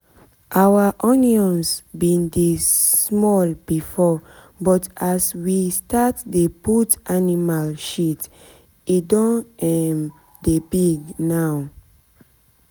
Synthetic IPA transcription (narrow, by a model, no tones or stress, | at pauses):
ʔawaʔɔ̃njiɔ̃nsbĩndesmɔlbifɔ | bɔtaswistatdeputanimalʃit | idɔ̃nɛm | debiɡnaw